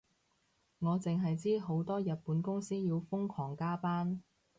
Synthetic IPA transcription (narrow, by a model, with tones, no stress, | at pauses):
ŋɔː˨˧t͡sɪ˨ŋɦɐ˨jt͡siː˥ɦo˨˥wt̪ɔː˥jɐ˨t̚puː˨˥nkʊ˥ŋsiː˥jiː˨˧wfʊ˥ŋkʰɔː˨˩ŋkaː˥paː˥n